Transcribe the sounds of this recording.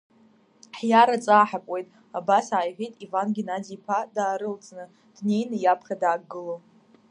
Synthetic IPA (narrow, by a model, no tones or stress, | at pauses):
ħjaɾat͡sʼaːħakʷʼwe̞jtʼ | abasaːjħʲijtʼivanɡʲinad͡zipʰadaːɾɨlt͡sʼnɨ | d̥ne̞jnɨjapʰχʲadaːɡɨlo